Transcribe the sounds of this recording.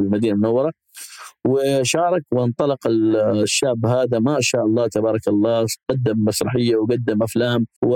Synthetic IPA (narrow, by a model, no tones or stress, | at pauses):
ɪlmad̪iːnamʊnawːɑɾˤɑ | wɪʃɑːɾˤɑkwʔant̪ˤɑlɪqɪʃːaːʕbɦaːd̪amaʔaʃaːʔɑlˤːɑːt̪abɑːɾˤɑkɑlˤːɑːɡ̥ad̪ːɪmːasɾˤɑħɪjːawɡad̪ːɪmʔaflaːmwɪ